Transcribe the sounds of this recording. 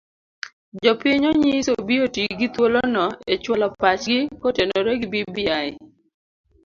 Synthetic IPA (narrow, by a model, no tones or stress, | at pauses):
d͡ʒɔpɪɲoɲisobiotiɡɪt̪wolonɔet͡ʃwɔlɔpat͡ʃɡɪkotenoɾeɡibibiaɪ